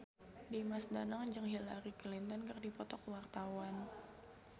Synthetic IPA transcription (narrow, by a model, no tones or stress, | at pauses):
dimasdanaŋɲd͡ʒɨŋɦilaɾiklint̪ɔnkərdipɔt̪ɔkwart̪awan